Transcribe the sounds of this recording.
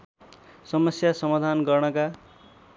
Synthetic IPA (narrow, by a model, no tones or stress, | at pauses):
sʌmʌsjasʌmad̪ʱanɡʌrnʌka